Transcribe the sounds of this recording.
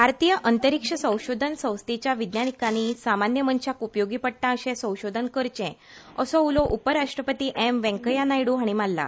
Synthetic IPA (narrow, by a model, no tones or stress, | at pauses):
bʱaɾt̪ijəʔənt̪əɾikʂəsə̃w̃ɕod̪ʱənsə̃w̃st̪it͡ɕjaʋid̪njanikañisamanjəmənɕakupjoɡiːpəɽʈ̪ãəɕɛ̃sə̃w̃ɕod̪ʱənkəɾt͡ɕɛ̃ | əsɔulɔʔupəɾaʂʈɾəpət̪iːʔemʋɛ̃ŋkəjanajɽuɦaɽ̃imalːa̰